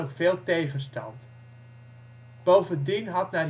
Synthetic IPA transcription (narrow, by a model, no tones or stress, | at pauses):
əkfeːlˠtejχənstɑ̰nt | b̥owvəndinɦɑtnɛ